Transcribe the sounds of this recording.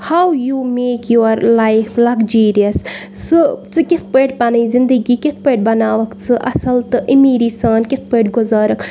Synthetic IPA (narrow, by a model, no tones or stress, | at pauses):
hawjuːmeːkjoɾlajflɐɡd͡ʒuːɾijɐsːɨt͡sɨkɪt̪̚ʰpəːʈpaniːzind̪əɡiːkɪt̪̚ʰpəːʈ̚bɐnaːʋɐkt͡sɨʔɐ̰sɐlt̪ɨʔimiːɾisaːnkɪt̪̚ʰpəːʈɡʊzaːɾɐk